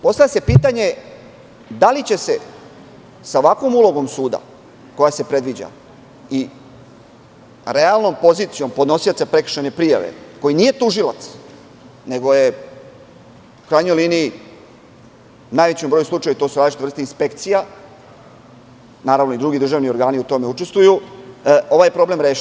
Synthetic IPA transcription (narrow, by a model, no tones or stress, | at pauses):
po̞st̪avjase̞piːt̪aɲe̞ | d̪alit͡ɕe̞se̞ | saoʋakʋo̞mulo̞ɡo̞msuːd̪a̰ | ko̞jase̞pɾe̞d̪ʋid͡ʑa̰ | i | ɾe̞alˠno̞mpo̞zit̪sijo̞mpo̞d̪no̞sijot̪sapɾe̞kr̩̥ʃanepɾija̰ʋḛko̞jiniːje̞t̪uʒilat̪s | ne̞ɡo̞je̞ | u̥kɾaːjɲojliːniː | naːjʋet͡ɕombɾojuslˠut͡ʃajut̪o̞ːsuɾad̪iʃt͡ʃt̪vr̩st̪inspe̞kt̪sija | naːɾaʋnoid̪ɾuɡid̪r̩ʒaːʋnio̞ɾɡaːniut̪o̞meut͡ʃe̞st̪ʋuju | o̞ʋaːjepɾo̞ble̞mɾeːʃ